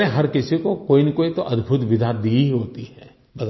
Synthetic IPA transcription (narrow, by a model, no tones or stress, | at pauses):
eɦɐɾkɪsikokoːinekoːit̪oʔɐd̪bʱʊt̪ʋɪd̪ʱad̪iɦoːt̪iɦɛː | bɐd̪